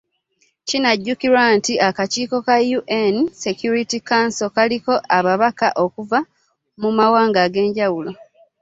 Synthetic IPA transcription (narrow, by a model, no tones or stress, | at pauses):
cinaɟːukiɾwantiakaciːko̞kajuʔense̞kjuɾitikansokaliko̞ʔaβaβaka̰ʔo̞kuva | mumawaːŋɡaɡe̞ːɲɟawulo̞